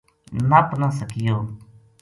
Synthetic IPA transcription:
napnãːsəkɪjoː

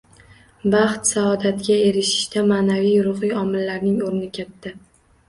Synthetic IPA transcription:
bɑχt̪saɒd̪at̪ɡʲae̞ɾɪʃɪ̥ʃt̪amaːnavijʊɾʊχɨjɒmɪlːaɾnɪŋoɾɪnɪkʲʰat̪ːɪ

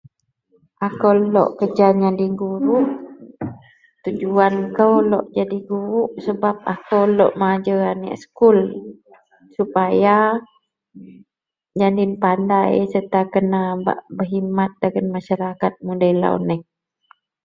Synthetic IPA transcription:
ʔakəwlɔ̰ʔkəd͡ʒaɲadiɡuɾuʔ | t̪ud͡ʒuankəwlɔ̰ʔd͡ʒadiɡuɾuʔsəbap̚akəwlɔʔmad͡ʒəanɛ̰ʔskul | supaja | d͡ʒandinpandajsət̪akənaba̰ʔbəɦimat̪̚daɡənmaʃaɾakat̪̚mudajla̰ṵnɛh

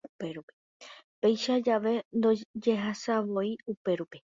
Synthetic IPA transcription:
upe̞ɾupe̥ | pe̞jʃad͡ʒaʋe̞nd̪o̞d͡ʒe̞ɦasaʋo̞iupe̞ɾupe

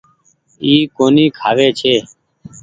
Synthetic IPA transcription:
iːkoːniːkʰaːʋeːt͡ʃʰeː

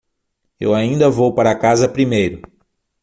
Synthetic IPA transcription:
ḛwaĩnd̪ɐvowpaɾɐːkazɐpɾimejɾʊ

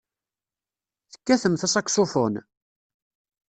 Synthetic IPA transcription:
θə̥kːæθəmθæsˤɑkʷːsofon

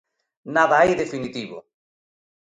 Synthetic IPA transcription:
naðaajðefinit̪iβʊ̰

